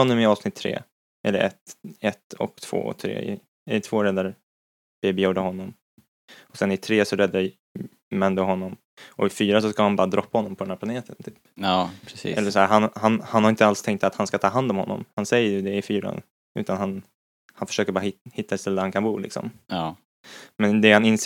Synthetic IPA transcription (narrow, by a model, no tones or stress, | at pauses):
ɔnːɔmɪɑːvsnɪt̪ʰːɾḛː | ʔɛ̰lːəɾʔɛt̪ɛt̪ːɔ̰kt̪ʰv̥o̰ːɔ̰t̪ʰɾḛːɪ̰ | ɛt̪ʰv̥oːɾɛd̪aɾ | b̥eːbɪjuːɖəɦɔnːɔm | ɔsɛnɪt̪ʰɾeːsɔɾɛd̪ːa | mɛnd̪əɦɔnːɔm | ɔ̰ɪfyːɾasɔskahanbɑːɾad̪ɾɔpːahɔnːɔmpɔdɛnhæɾpʰlaneːt̪ənt̪ʰyːpːpʰɾʔɛlːəʂsɔhæːɾɦanhanhanhaɾɪnt̪əalst̪ʰɛŋk̚t̪at̪hanskat̪ʰɑːɦand̪ɔmhɔ̰nːɔ̰mhansɛjːəɾjɵd̪ɛɪfyːɾa̰ | ʉ̟ːt̪anhan | hanfœ̥ʂøːkəɾbɑːɾaɪhɪt̪ːaɛt̪st̪ɛlːəhankʰanbuːlɪ̰ksɔ̰mː | mɛnd̪ɛhanɪns